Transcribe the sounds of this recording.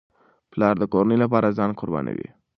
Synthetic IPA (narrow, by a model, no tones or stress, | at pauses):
plɑɾd̪əkoɾanəlap̬ɑɾazɑnkʊɾbɑ̰na̰wḭ